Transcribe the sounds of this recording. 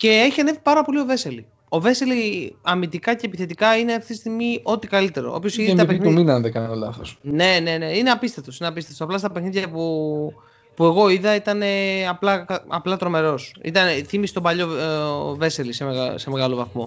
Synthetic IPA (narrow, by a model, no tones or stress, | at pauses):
ce̞eçiɐne̞vipɐɾɐpo̞lio̞ve̞seli | o̞ve̞seliɐmit̪ikɐceːpiθe̞t̪ikɐineɐft̪it̪ist̪iɣmiʔo̞t̪ikɐlit̪e̞ɾo̰o̰pço̞siðit̪ɐpenuminɐnðekɐnɐnolɐθo̰sne̞ne̞ne̞ineɐpist̪et̪o̞sineɐpist̪et̪osplɐst̪ɐpexniðʝɐpu | pue̞ɣo̞iðɐit̪ɐne̞ɐplɐkɐɐplɐt̪ɾo̞me̞ɾo̞sḭt̪ɐneθimisi̥t̪obɐʎo̞ve̞selisemeɣse̞me̞ɣɐlovɐθmo̞